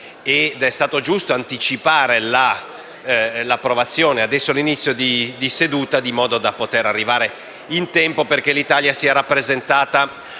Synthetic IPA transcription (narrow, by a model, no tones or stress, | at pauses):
ed̪ɛst̪aːt̪od͡ʒust̪oant̪it͡ʃipaːɾela | lapːɾovat̪sːjoːnead̪ɛsːoalinit̪sːjod̪id̪ised̪uːt̪ad̪imɔːd̪od̪apot̪eɾarːivaːɾe | int̪ɛmpoperk̟elit̪aljasiaɾapːɾezent̪aːt̪a